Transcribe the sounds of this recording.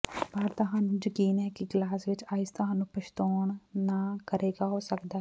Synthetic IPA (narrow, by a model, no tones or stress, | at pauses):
paːɾt̪əɦaːnũːd͡ʒəkiːnɦɛːkɪɡlaːsʋɪt͡ʃaːɪst̪ʊɦãːnũːpəʃt̪oːɳnaːkəɾeːɡaːɦoːsəkd̪aːɦɛ